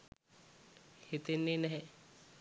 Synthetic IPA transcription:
hit̪enːinɛɦe

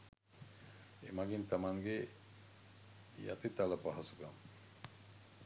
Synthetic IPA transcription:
ḛmaɡint̪amaŋɡe | ja̰t̪it̪alapaɦasukam

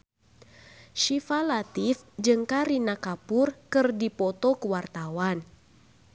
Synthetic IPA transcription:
ʃifalat̪ifd͡ʒɨŋkaɾinakapʊrkɨrdipɔt̪ɔkəwart̪awan

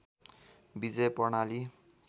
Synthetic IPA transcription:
bid͡zejpʌrnali

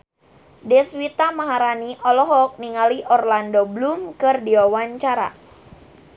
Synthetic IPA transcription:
dɛswit̪amaɦaɾaniʔɔlɔɦɔk̚niŋaliʔɔrlandoblumkɨrdiwawaɲt͡ʃaɾa̰

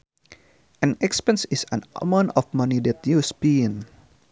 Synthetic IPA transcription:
ʔɛ̃nɛkspɛ̃nsisə̃na̰mãnɔfmanidɛt̪̚jusbĩn

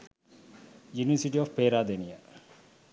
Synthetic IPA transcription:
juniʋəsiʈiɔfpeːɾaːd̪enia

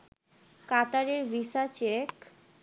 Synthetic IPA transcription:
kat̪aɾeɾɾisat͡ɕek

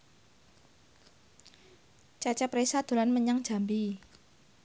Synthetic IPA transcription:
t͡ʃat͡ʃɛpɾesad̪̥o̤ɾanməɲaŋd̥ʒ̥a̤mbi

